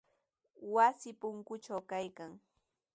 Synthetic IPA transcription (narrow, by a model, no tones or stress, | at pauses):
wasɪpʊŋkʊt͡ʃawkajkaŋ